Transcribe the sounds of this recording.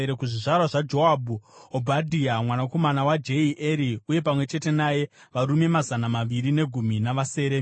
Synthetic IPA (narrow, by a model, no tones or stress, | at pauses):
ekuʐiʐarwaʐad͡ʒo̞abuobʱadʱiamwanako̞manawad͡ʒe̞iʔeɾiuje̞pamwe̞t͡ʃe̞te̞naje̞ | ʋaɾume̞mazanamaʋiɾine̞ɡʱuminaʋase̞ːɾe